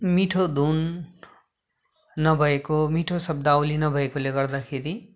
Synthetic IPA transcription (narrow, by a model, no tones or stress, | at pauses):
miʈʰod̪ʱun | ʌbʱʌekomiʈʰosʌb̚d̪aowlinʌbʱʌekoleɡʌrd̪akʰeɾi